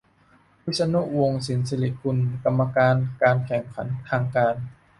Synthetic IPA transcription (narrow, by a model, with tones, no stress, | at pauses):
wi˧˦˥sa˧nu˦˥wo˧ŋsi˨˩˦nse˧li˦t̪̚kʰu˧nka˧mːa˧kaː˧nkaː˧nkʰɛ˨˩ŋkʰa˩˦nt̪ʰaː˧ŋkaː˧n